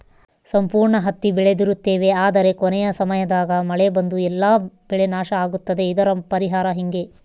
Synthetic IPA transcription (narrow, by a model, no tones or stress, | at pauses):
sɐmpuːɾɳɐɦɐt̪ːibiɭe̞d̪iɾut̪ːe̞ːʋe̞aːd̪ɐɾe̞konɛjɐsɐmɐjɐd̪aːɡɐmɐɭebɐnd̪uɛlːaːb̥ɛɭe̞naːʃɐaːɡut̪ːɐd̪e̞id̪ɐɾɐpɐɾiɦaːɾɐɦiŋɡe̞